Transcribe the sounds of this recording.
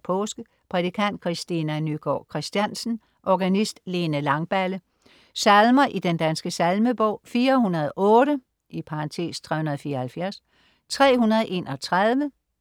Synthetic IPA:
pʰɔːsɡ̥ə | pʰʁɛt͡sikʰæn̰d̥̚kʰʁisd̥inænyɡ̥ɒ̰ːkʰʁisd̥jænsn̩ | ʔɒɡ̥ænisd̥le̝ːnəlɑ̈ŋb̥ælə | sælmɐʔid̥end̥ænsɡ̥əsælməb̥ɔʊ̰fiːɐhunɐð̞̩ˠʔɔ̽ːɾ̥ə | ʔipʰɑ̈ɑ̈nt͡sʰe̝̰ːst͡sʰʁɛ̰hunɐð̞̩ˠfiːɐhælfjæɐs | t͡sʰʁɛ̰ːhunɐðˠʔe̝nɒ̽t͡sʰʁaðˠʋə

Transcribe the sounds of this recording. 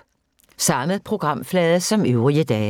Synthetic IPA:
sɑ̈məðˠpʰʁo̝ɡ̥ʁɑ̈m̰flɛːðˠəsɒ̽møʊʁiəd̥ɛː

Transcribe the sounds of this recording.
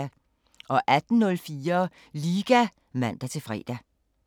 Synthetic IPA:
æ | ʔɒ̽ʔæd̥n̩nɔ̽lfiːɐ | liːɡ̥æ | mæn̰d̥æt͡sʰe̝lfʁɛ̰ːd̥æ

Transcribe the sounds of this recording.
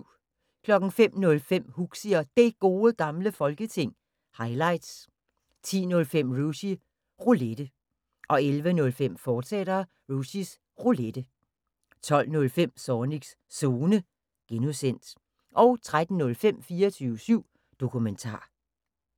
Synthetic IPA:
kʰlɒ̽ɡ̥n̩fem̰nɔ̽lfem̰huɡ̥siɒd̥e̝ɡ̥o̝ːəɡ̥ɑ̈mləfɒ̽lɡ̥ət͡sʰe̝ŋ̰ | hɑ̈ɪlɑ̈ɪd̥s | t͡sʰḭːnɔ̽lfem̰ʁusi | ʁoled̥ə | ʔɒ̽elʋənɔ̽lfem̰fɒːseɾ̥ɐ | ʁusis | ʁoled̥ə | t͡sʰɒ̽l̰nɔ̽lfem̰sɒːniɡ̥s | so̝ːnə | ɡ̥enusen̰d̥ | ʔɒ̽ʊt͡sʰʁad̥n̩nɔ̽lfem̰fiːɐt͡sʰyːʊəsyʊ̰ | d̥o̝kʰument͡sʰɑ̰̈ː

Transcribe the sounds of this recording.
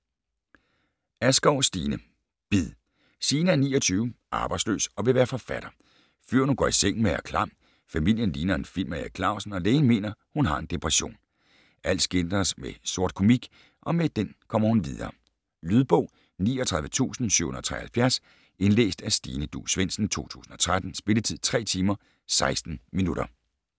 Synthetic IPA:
æsɡ̥ɒʊsd̥iːnə | b̥iðˠ | siːnəæɐniːɒt͡sʰyːʊʔɑ̈ːb̥ɑ̈ɪ̥slø̰ːsɒ̽ʋe̝ʋæːɐfɒ̽fæɾ̥ɐ | føɐ̰nuɡ̥ɒ̰iseŋ̰n̩meæɐkʰlɑ̈m̰ | fæmil̰jənliːnɐenfil̰mæækʰlɑ̈ʊ̰sn̩ɒ̽leːɪnme̝̰ːnɐhunɦɑ̈e̝nd̥epʰʁɛɕo̝̰ːn | ʔæl̰d̥sɡ̥end̥ɐsmeso̝ɐ̰d̥̚kʰo̝miɡ̥ | ʔɒ̽med̥enkʰɒ̽m̰ɐhunʋiðˠɐ̰ː | lyðˠb̥ɔ̽ʊ̰ | niːɒt͡sʰʁäðˠʋət͡sʰṵːsn̩sy̰honˠɒt͡sʰʁɛ̰ɐhælfjæɐs | e̝nlḛːsd̥æsd̥iːnəd̥ṵːsʋen̰sn̩t͡sʰo̝̰ːt͡sʰṵːsn̩ɒ̽t͡sʰʁad̥n̩sb̥e̝lət͡sʰið̞̰ˠt͡sʰʁɛ̰ːt͡sʰiːmɐ | sɑ̈ɪsd̥n̩minud̥ɐ

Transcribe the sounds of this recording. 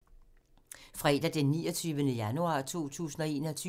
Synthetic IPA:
fʁɛd̥æd̥enːiːɒt͡sʰyːʋənəjænuɑ̰̈ːt͡sʰo̝̰ːt͡sʰṵːsn̩ɒe̝ːnɐt͡sʰy

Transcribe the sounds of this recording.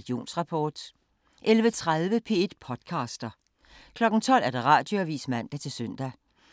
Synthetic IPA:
d̥io̝̰ːnsʁɑ̈pʰɒːd̥ | ʔelʋət͡sʰʁaðˠʋəpʰe̝̰ːe̝d̥pʰɒ̽d̥kʰɑ̈ːsd̥ɐ | kʰlɒ̽ɡ̥n̩t͡sʰɒ̽l̰æɐd̥eʁɑ̈ːd̥jo̝æʋḭːsmæn̰d̥æt͡sʰe̝lsøn̰d̥æ

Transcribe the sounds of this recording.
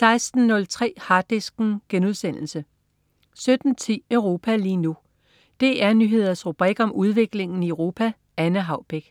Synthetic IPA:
sɑ̈ɪsd̥n̩nːɔ̽lt͡sʰʁɛ̰ːhɑ̈ːd̥isɡ̥n̩ɡ̥enuðˠsen̰l̩sə | sød̥n̩t͡sʰḭːœʊʁo̝ːpʰæliːnu | d̥e̝ʔæɐnyɦe̝ð̞̰ˠɐsʁub̥ʁiɡ̥ɒ̽muð̞ˠʋe̝ɡ̥le̝ŋn̩iœʊʁo̝ːpʰæ | ænəɦɑ̈ʊb̥eɡ̥

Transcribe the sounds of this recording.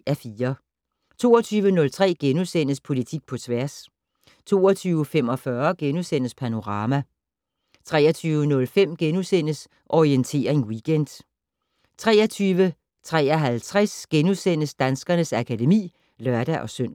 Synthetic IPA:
æɐfiːɐ | t͡sʰo̝̰ːɐt͡sʰyːʋənɔ̽lt͡sʰʁɛ̰ːɡ̥enusen̰əspʰo̝lit͡sʰiɡ̥̚pʰɒ̽t͡sʰʋæɐs | t͡sʰo̝̰ːɐt͡sʰyːʊəfem̰ɒ̽fɶɐɡ̥enusen̰əspʰæno̝ʁɑ̈ːmæ | t͡sʰʁɛ̰ːɐt͡sʰyːʊənɔ̽lfem̰ɡ̥enusen̰əs | ʔɒʁient͡sʰe̝̰ːɐe̝nwiɡ̥end̥ | t͡sʰʁɛ̰ːɐt͡sʰyːʋə | t͡sʰʁɛ̰ːɐɦælt͡sʰʁasɡ̥enusen̰əsd̥ænsɡ̥ɐnəsækʰæde̝mḭː | lɶɐɾ̥æʔɒ̽søn̰

